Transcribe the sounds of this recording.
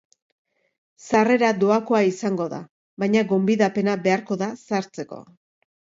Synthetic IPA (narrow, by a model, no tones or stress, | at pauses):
sare̞ɾad̪oako̞aisaŋɡo̞ða̰ | βajɲaɣo̞mbiðape̞nabe̞aɾko̞ðasaɾt͡se̞ko̞̰